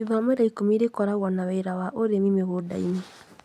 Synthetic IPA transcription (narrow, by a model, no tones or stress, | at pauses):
ivameɾaikomiɾekɔɾaɣwɔnaβɛiɾawaʔoɾemimeɣoda̰ḭne